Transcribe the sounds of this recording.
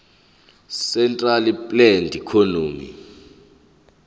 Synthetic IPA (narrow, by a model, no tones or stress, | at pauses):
sɛntʼralipʼlɛndʱikʰonoːmḭ